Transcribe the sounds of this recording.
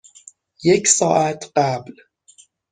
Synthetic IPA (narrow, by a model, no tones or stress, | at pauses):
je̞cʰsɒːʔæt̪ʰɢæbl